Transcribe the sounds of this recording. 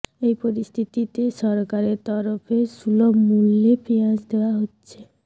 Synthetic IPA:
ejpɔɾist̪ʰit̪it̪esɔɾkaɾeɾt̪ɔɾopʰesulɔmulːepʰiãsd̪ewaɦotːɕʰe

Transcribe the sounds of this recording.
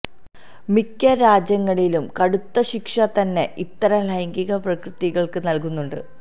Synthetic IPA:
mikːɐɾaːd͡ʑjɐŋːɐɭilumkɐɽut̪ːɐɕikʂɐt̪ɐnːe̞ʔit̪ːɐɾɐlɐjŋɡiɣɐprɐkrɨt̪iɣɐɭkɨnɐlkunːuɳɖɨ̰

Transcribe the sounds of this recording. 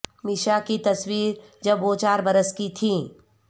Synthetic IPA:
mɪʃakit̪ɐswiːɾd͡ʒɐbːoːt͡ʃaːɾbɐɾəskit̪ʰĩ

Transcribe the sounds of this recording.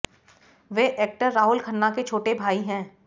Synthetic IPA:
ʋeːʔeːk̚ʈəɾːaːɦʊlkʰənːaket͡ʃʰoːʈebʱaːiɦɛ̃ː

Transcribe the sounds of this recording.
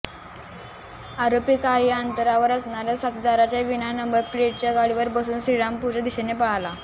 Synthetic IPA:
aɾopiːkaiant̪əɾaʋəɾəsɳaɾjasat̪id̪aɾat͡ɕjaʋinanəmbəɾpleʈ̚t͡ɕjaɡaɽiʋəɾbəsuːnsɾiɭampud͡ʑad̪iɕenepəɭ̤ala

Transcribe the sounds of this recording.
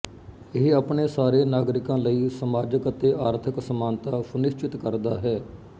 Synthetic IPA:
ɪɦaːpɳeːsaːɾeːnaːɡɾɪkãːləiːsəmaːd͡ʒəkət̪eːʔaːɾt̪ʰəksəmaːnt̪aːsʊnɪʃt͡ʃɪt̪kəɾd̪aːɦɛː

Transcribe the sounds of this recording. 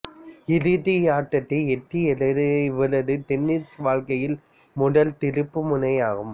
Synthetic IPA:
ɪlɯðɪjaːʈːɐt̪ːɐɛʈːiɛlɐʋɪlɐðɯt̪ɛnːɪt͡ʃʋaːɻkɐjɪl | mʊɽɐlt̪ɪɾɯpːɯmʊnɐjaːɣɯm

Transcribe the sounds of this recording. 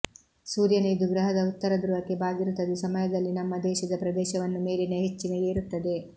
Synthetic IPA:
suːɾjɐneːd̪uɡɾɐɦɐd̪ɐut̪ːɐɾɐd̪ɾuʋɐkːebaːɡiɾut̪ːɐd̪esɐmɐjɐd̪ɐlːinɐmːɐd̪ɛːʃɐd̪ɐpɾɐd̪ɛːʃɐʋɐnːume̞ːleneɦet͡ʃːinejeːɾut̪ːɐd̪e̞

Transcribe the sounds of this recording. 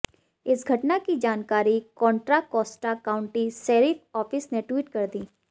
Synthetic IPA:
ɪsɡʱɐʈnakid͡ʒaːnkaːɾikɔ̃ːɳʈɾakɔːsʈakaːʊ̃ɳʈiseːɾit̪ɔːpʰɪsneʈwiːʈkɐɾd̪iː

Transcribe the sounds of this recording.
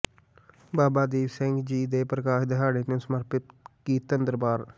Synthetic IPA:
baːbaːd̪iːʋsɛ̃ŋɡd͡ʒiːd̪eːpɾəkaːʃd̪ɪɦaːɽeːnũːsəməɾpɪt̪kiːt̪ənd̪əɾbaːɾ

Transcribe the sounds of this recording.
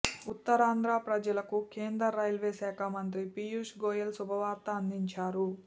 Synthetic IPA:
ut̪ːɐɾaːnd̪ɾaːpɾɐd͡ʒɐlɐkukeːnd̪ɾɐɾːɐjlʋeːsɛːkʰamɐnt̪ɾipijuʂɡoːjɐlsubʱɐʋaːɾt̪ɐːnd̪iɲt͡ʃaːɾu

